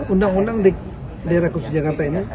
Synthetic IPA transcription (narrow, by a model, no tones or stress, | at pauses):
undaŋundaŋdik̚ | dajɾakusud͡ʒakart̪aini